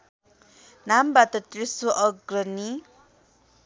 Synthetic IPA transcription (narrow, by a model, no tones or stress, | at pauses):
nambat̪ʌt̪risuʔʌɡrʌni